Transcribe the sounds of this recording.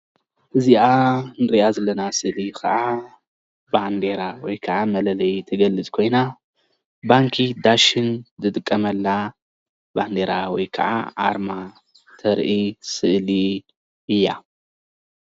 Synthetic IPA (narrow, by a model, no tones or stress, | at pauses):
ʔɨziʔanɨɾiʔazɐlːɐnasɨʔlikʰɐ̰ʕa | band̪e̞ɾawɔjkʰɐʕamɐlɐlɐjt̪ʰɐɡɐlːɨt͡sʼkʰo̞jna | baŋkʰid̪aʃɪnzɨt̪ʼɨkʼːɐmɐlːa | band̪eɾawɔjkʰɐ̰ʕa̰ʔa̰ɾma | t̪ʰɐɾʔisɨʔli | ɨjːa